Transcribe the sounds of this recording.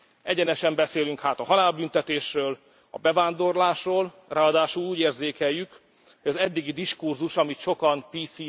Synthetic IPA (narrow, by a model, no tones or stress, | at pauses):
ɛɟɛnɛʃɛmbɛseːlyŋkhaːt̪ɒɦɒlaːlbynt̪ɛt̪eːʃrøːl | ɒ̰bɛvaːnd̪o̞rlaːʃroːl | rʔaːɒd̪aːʃuluːɟeːrzeːkɛjːyk | hoɟɒzɛd̪ːiɡid̪iʃkurzuʃɒmit̪ʃo̞kɒnpiːsiː